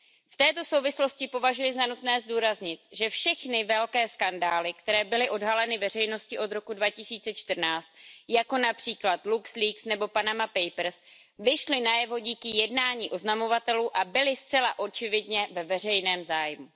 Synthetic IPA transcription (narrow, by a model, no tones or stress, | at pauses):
ft̪ɛːt̪o̞sowvɪslo̞scɪpo̞vaʒujɪzanut̪nɛːzduːɾazɲɪt̪ʒɛfʃɛxnɪvɛlkɛːskandaːlɪkt̪ɛɾɛːbɪlɪʔo̞dɦalɛnɪvɛr̝ɛjno̞scɪʔo̞d̪ɾo̞kudvacɪsiːt͡sɛt͡ʃt̪r̩naːt͡st̪̚jako̞napr̥iːklat̪luksliːksnɛbo̞panamapɛjpɾ̩s | vɪʃlɪnajɛvo̞ɟiːkɪjɛdnaːɲiːʔo̞znamo̞vat̪ɛluːʔabɪlɪst͡sɛlaʔo̞t͡ʃɪvɪdɲɛvɛvɛr̝ɛjnɛːmzaːjmu